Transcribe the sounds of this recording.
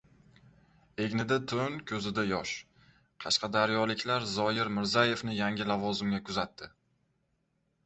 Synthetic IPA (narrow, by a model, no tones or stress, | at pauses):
e̞ɡʲnɪd̪at̪ʰʊnkʲʰɵzɪd̪ajɒʃ | qʰɑʃqʰɑd̪aɾjɒlɪkʲlaɾzɒjɪɾmɪɾzaje̞fnɪjaŋʲɪlavɒzɪmɡʲakʰʊzat̪ʰːɪ